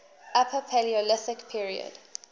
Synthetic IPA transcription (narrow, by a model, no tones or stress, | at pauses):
ʔapʰəpʰɛliɔlɪsɪkpʰiɹiə̰d̥